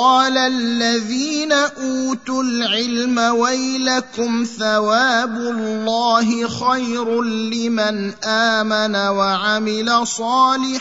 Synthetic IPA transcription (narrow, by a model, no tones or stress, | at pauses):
ɑːlalːaðiːnaʔuːt̪ʊlʕɪlmawajlakʊmθawaːbʊllːɑːɦɪxajɾʊlɪmanʔaːmanawaʕamɪlasˤɑːlɪħ